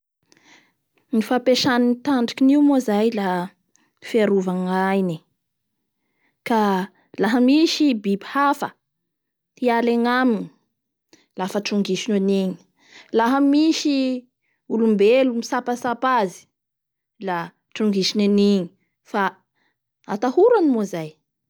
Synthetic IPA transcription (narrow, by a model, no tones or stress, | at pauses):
nifapeʃaninit̪aɳɖ͡ʐi̥kiniwmozajla | fiaɾuvaŋajni | ka | laɦəmiʃibibihafə | t̪ialeŋamini | lafəʈ͡ʂuŋɡiʃinaniɲi̥ | laɦəmiʃi | ulumbelumisapasapazi̥ | la | ʈ͡ʂuŋɡiʃinaniɲi | fa | a̰t̪ahuɾanimozaj